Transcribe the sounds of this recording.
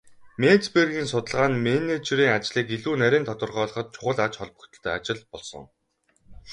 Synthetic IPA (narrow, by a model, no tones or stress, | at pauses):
met͡sperɣʲiːnsʊt̪ə̆ɮʁaːnmenet͡ɕɾiːŋat͡ɕɮiːkiɮuːnæɾʲiːnt̪ʰɔt̪ə̆rʁœːɮɞ̆χɞ̆t̪̚t͡ɕʰʊ̥χə̆ɮat͡ɕχɔɮpə̆kt̪ə̆ɬt̪ʰœːat͡ɕɪ̆ɮpɔɮsɞ̰̆ŋ